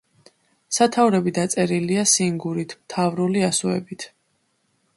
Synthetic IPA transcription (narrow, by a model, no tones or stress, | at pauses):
sat̪ʰauɾɛbid̪at̪sʼɛɾiliasiŋɡuɾit̪ʰmt̪ʰavɾuliasuɛ̰bit̪ʰ